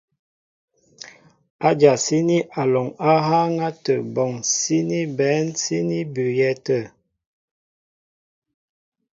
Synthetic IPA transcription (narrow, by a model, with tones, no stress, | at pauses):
a˦d͡ʒa˨si˦ni˦ʔa˨lɔ˨ŋa˦ɦa˦ŋa˦tə˨bɔ˨ŋsi˦ni˦bɛ˨˦nsi˦ni˦bʉ˨jɛ˦tə˦˨